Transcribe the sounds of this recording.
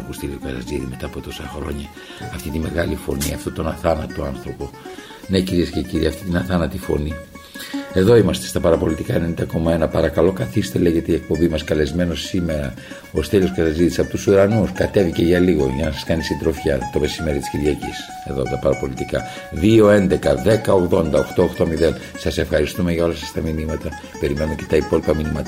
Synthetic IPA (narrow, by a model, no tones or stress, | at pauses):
kust̪eliokɐðɐ̰ziðime̞t̪ɐːpo̞t̪o̞sɐxɾo̞ɲɐ | ɐft̪it̪ime̞ɣɐlifo̞̰niɐft̪o̞t̪o̞nɐθɐnɐt̪oɐnθɾo̞po̞ | neciɾiesceciɾiɐft̪it̪inɐθɐnɐt̪ifo̞̰ni | e̞ðo̞imɐst̪e̞st̪ɐpɐɾɐpo̞lit̪ikɐenenit̪ɐko̞mɐe̞nɐpɐɾɐkɐlo̞kɐθist̪e̞le̞ʝe̞t̪eiek̚po̞mbimɐskɐle̞zme̞no̞sːime̞ɾɐ | o̞st̪elo̞skesɐzit̪isɐpo̞t̪usuɾɐnuskɐt̪e̞vice̞ʝɐliɣo̞ʝɐnɐsɐ̥skɐnist̪ind̪ɾo̞fçɐt̪o̞me̞sime̞ɾit̪i̥sciɾʝɐcis | e̞ðo̞̰t̪ɐpɐɾɐpo̞lit̪ikɐ̰ | ðio̞e̞nd̪e̞kɐðe̞kɐo̞ɣðo̞nd̪ɐoxt̪o̞oxt̪o̞miðe̞n | sɐse̞fxɐɾist̪ume̞ʝɐo̞lɐsɐst̪ɐminimɐt̪ɐ | pe̞ɾime̞numece̞t̪ɐipo̞lipɐminimɐt̪